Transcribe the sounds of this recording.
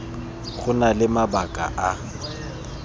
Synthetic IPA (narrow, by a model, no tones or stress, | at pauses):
χʊnalɪmabakʼa̰ʔa